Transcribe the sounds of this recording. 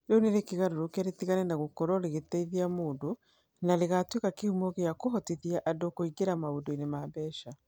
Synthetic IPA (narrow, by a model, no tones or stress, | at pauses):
ɾoneɾekiɣaɾoɾokɛɾetiɣanɛnaɣokɔɾɔɾeɣetɛiðiamoːndo | naleɣatwekakehumoɣejakoɦɔtiðiaʔadokoiɡeɾamaβodoinemaβɛːʃa